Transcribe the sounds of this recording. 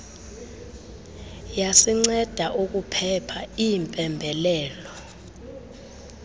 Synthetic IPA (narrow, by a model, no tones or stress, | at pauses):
jasiŋ͡ǀɛd̥ʱaʔuk̬upʰɛpʰaimpʼɛmbʱɛlɛːlɔ